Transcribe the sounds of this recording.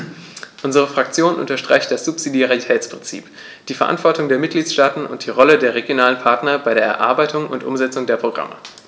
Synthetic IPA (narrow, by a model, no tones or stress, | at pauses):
ʔʊnzəʁ̞əfʁ̥ak̚t͡sjoːnʔʊ̰ntɐʃtʁ̥a̰ɪçtd̥asz̥ʊpz̥idjaʁitʰɛːt͡spʁ̥ɪnt͡sḭːp | d̥iːfɛɐʔa̰ntv̥ɔɐtʊŋdeːɐmɪt̚ɡ̥liːtʃtaːtn̩ʔʊ̰ntd̥iːʁɔlədeːɐʁeɡjonaːlənpʰaɐtnɐbaɪɾeːɐɛɐʔa̰ɐbaɪtʊŋʊntʔʊ̰mzɛt͡sʊŋdeːɐpʁ̥oɡʁa̰mə̰